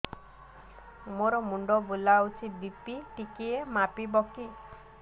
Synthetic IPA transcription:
moɾɔmuɳɖɔbulaut͡ʃʰit̪̚bipiʈikiemapibɔki

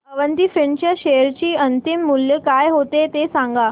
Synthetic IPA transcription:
pəʋənt̪ifiɳt͡ɕaɕejəɾt͡ɕiːənt̪imːuljəkajɦot̪et̪esãŋɡa

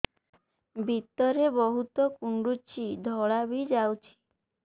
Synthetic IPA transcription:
bʱit̪ɔɾebɔɦut̪ɔkuɳɖut͡ʃid̪ʱɔɭabid͡ʒawt͡ʃʰi̥

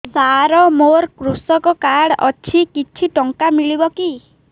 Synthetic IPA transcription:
saɾɔmoɾkɾusɔkɔkaɽɔ̰t͡ʃʰikit͡ʃʰiʈɔŋkamiɭibɔki

